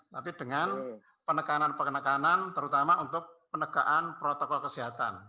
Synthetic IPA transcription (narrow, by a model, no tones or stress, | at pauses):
t̪apid̥əŋan | pənəkananpənəkanant̪əɾut̪amaʔunt̪ʊk̚pənəɡ̥aʔanpɾot̪ɔkɔlkəsiɦat̪a̰n